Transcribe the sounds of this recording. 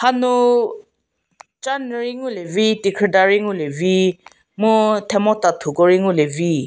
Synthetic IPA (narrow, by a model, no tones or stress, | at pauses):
hanu | t͡ʃanɾiŋulevitikʰɛdaɾiŋulevi | mutʰɛmɔtatʰuɡɔɾiŋulevi